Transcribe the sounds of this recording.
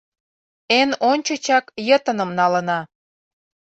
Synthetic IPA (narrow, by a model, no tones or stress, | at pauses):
enonʲt͡ɕət͡ɕɑkjət̪ə̆nə̆mnɑlənɑ